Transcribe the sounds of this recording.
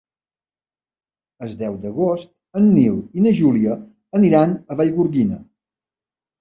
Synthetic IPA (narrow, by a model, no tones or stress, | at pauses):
əzd̪ɛwd̪əɣost̪̚ | ənːiwinəʒuliə | əniɾanəβaʎɣuɾɣinə̰